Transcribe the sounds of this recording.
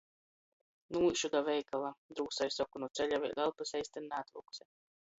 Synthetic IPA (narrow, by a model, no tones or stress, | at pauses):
nuːʃud̪avɛjkalˠad̪ɾuːsajsɔkunut̪sɛlʲavɛjlɛlˠpasɛjst̪ɛnnaːt̪ɾṵksɛ